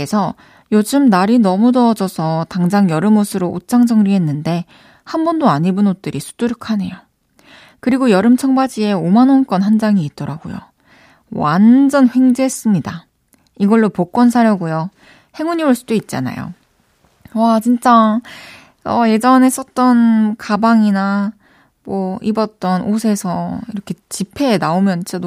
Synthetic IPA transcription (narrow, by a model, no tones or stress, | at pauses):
esʰʌ | jod͡ʑɯmnaɾinʌmunʌːd͡ʑʌsʰʌtaŋd͡ʑaŋjʌɾɯmosʰɯɾoʔot͡ɕ͈aŋd͡ʑʌŋɾiɦe̞nːɯnde̞ | hanbʌndoaɲibunot̚t͈ɯɾisʰu̥d̥͈uɾɯkʰane̞̰jo | kɯɾiɡojʌɾɯmt͡ɕʰʌŋbad͡ʑie̞omanonk͈ʌnɦand͡ʑaŋiːt̚t͈ʌɾaɡo̰jo̰ | wand͡ʑʌnɸwe̞ŋd͡ʑes͈ɯmɲida | iɡʌɭːopok͈wʌnsʰaɾjʌɡujo | he̞ŋuɲioɭs͈udoit̚t͡ɕ͈a̰na̰jo̰ | wat͡ɕint͡ɕ͈a | ʌje̞d͡ʑʌne̞s͈ʌt̚t͈ʌnkabaŋina | mwʌibʌt̚t͈ʌnʔosʰe̞sʰʌiɾʌkʰe̞t͡ɕipʰe̞naomjʌnt͡ɕʰedo